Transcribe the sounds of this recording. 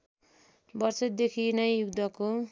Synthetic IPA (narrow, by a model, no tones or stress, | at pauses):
bʌrsʌd̪ekʰinʌjjuɡ̚d̪ʌko